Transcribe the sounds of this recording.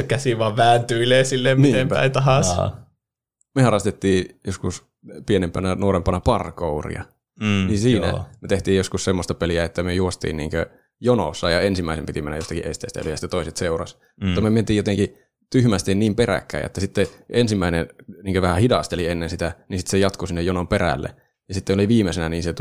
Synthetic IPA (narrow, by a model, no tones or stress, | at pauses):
kæsiʋʋɑʋʋæːnt̪yileːsilːemniːempæ̰it̪ɑɦɑs | mehɑrɑst̪et̪ːiːjoskus | pienempænænuorempɑnɑpɑrkourḭɑ̰ | ninsiːnæ̰met̪eht̪iːjjoskussemːost̪ɑpeliæet̪ːæmyøjuost̪ḭːnniːŋkø | jono̰sːɑjɑensimːæˑisempit̪imenːæjost̪ɑkiʔest̪ḛːˑst̪æ̰yløjɑsi̥t̪ːet̪oˑiset̪seurɑ̰s | mut̪ːɑmyøment̪iːjot̪eŋki | t̪yhmæst̪inniːmperæ̰kːæ̰ːʔḛt̪ːæsit̪ːeensimːæineniːŋkøʋæhæhidɑst̪elienːensit̪ænisit̪ːsejɑt̪kosinːejonomperæ̰lːḛ | jɑsit̪ːeoliʋiːmːˑesenæniːnset̪